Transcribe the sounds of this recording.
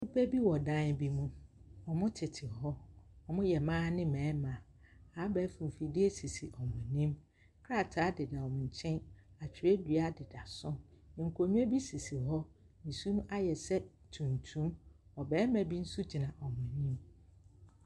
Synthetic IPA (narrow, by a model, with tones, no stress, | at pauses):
nu˦pʰæ˦bi˦wɔ˨dã˦n˦bi˦mũ˦ɔ˨mʊ̃˦tʰɪ˨tʰɪ˨ɦɔ˦ɔ˨mʊ̃˦jɛ˨mãː˦nɪ̃˦mɛ̃ː˨˦mã˨ | a˨˦bɛː˨˦fũ˨m˨fi˨di˦e˦si˨si˨ʔɔ˨mʊ̃˨nĩ˦m | kʰɾa˦˨tʰa˨˦dɪ˨da˨ɔ˨m̃˨ɲ̩˨t͡ɕʰɛ̃˦na˨t͡ɕʰᶣɪ˨ɾɛ˦dɥa˦dɪ˨da˨sʊ̃˦nɪ̃˨ŋ̩˨kʰo˨ɲũ˦ɛ˦bi˦si˨si˨ɦɔ˦ | n̩˨su˦m̃˦ʔa˦jɛ˨sɛ˦ | tʰũ˨ntʰũ˦mɔ˨bɛː˨˦mæ̃˨bi˦n̩˦su˦d͡ʑi˨nã˨ʔɔ˨mʊ̃˨nĩ˦m